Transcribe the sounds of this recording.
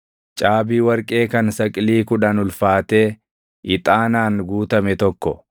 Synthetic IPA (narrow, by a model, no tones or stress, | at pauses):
t͡ʃʼaːbiːwɐɾkʼe̞ːkɐnsɐkʼɪliːkʊᶑɐnʊlfaːt̪eː | ʔɪt̪ʼaːnaːnɡuːt̪ɐmɛt̪ɔkːɔ